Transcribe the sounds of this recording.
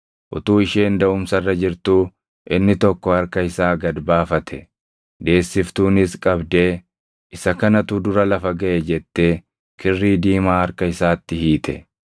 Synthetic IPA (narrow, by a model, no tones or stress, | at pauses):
ʔʊ̰t̪uːɪʃeːnd̪ɐʊmsɐrːɐd͡ʒɪɾt̪uː | ʔɪnːɪt̪ɔkːɔɐɾkɐɪsaːɡɐd̪baːfɐt̪ʰɛ | d̪e̞ːsːɪft̪uːnɪskʼɐbd̪e̞ː | ʔɪsɐkɐnɐt̪ʊd̪ʊɾɐlɐfɐɡɐʔɛd͡ʒɛt̪ːe̞ː | kɪrːiːd̪iːmaːɐɾkɐɪsaːt̪ːɪhiːt̪ʰɛ̰